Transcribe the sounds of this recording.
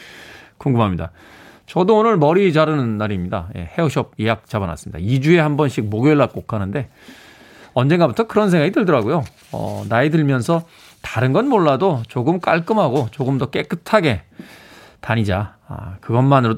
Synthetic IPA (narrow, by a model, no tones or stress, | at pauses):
koŋɡɯmɦamɲida̰ | t͡ɕʌdoːnɯɭmʌɾid͡ʑaɾɯnɯnːaɾimɲida̰je̞̰he̞oɕʰʌp̚jejak̚t͡ɕ͈abana̰s͈ɯmɲḭd̥̪a̰id͡ʑue̞hambʌnɕʰik̚moɡjʌɭːak͈okʰanɯnde̞ | ʌnd͡ʑeŋɡabutʰʌkɯɾʌnsʰe̞ŋɦaɡidɯɭdʌɾaɡojo | ʌ̰naedɯɭmjʌnsʰʌ | tḁɾɯnɡʌnmoɭːadot͡ɕoɡɯmk͈a̰ɭk͈ɯmɦaɡot͡ɕoɡɯmdʌk͈e̞k͈ɯtʰaɡe̞ | taɲid͡ʑa̰ | kɯɡʌnmanɯɾo